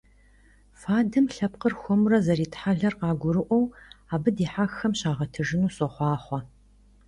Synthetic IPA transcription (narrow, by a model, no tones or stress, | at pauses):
faːdɨmɬɐpqərxʷɔmurɐzɐriːtħaɮɐrqɑːɡʷʊɾɨʔʷɔwaːbɨdiːħaxːɐmɕaːʁɐtʰɨʐɨnuːsʼɔχʷɑːχʷɔ